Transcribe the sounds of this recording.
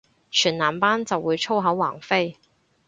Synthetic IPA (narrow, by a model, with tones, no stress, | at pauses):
t͡ʃʰyː˨˩nnaː˨˩mpaː˥nt͡sɐ˨wːuː˨˧jt͡ʃʰo˥wɦɐ˨˥wwaː˨˩ŋfe˥j